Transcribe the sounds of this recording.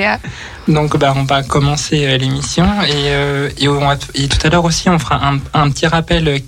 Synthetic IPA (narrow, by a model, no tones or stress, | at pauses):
d̪ɔ̃kbaɔ̃vakɔmɑ̃seølemisjɔ̃eøeoɔ̃vaet̪u̥t̪alœʁosiɔ̃fəʁaʔɛ̃ɛ̃pət̪ʰiʁapɛlø